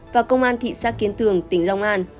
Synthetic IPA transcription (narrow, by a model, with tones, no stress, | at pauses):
vaː˨˩kə˧wŋ͡mʔaː˧nt̪ʰḭ˧˨saː˦˥k̚kːi˨˦ənt̪ɨ˨˩əŋt̪ï˧˩ŋ̟la˧wŋ͡mʔaː˧n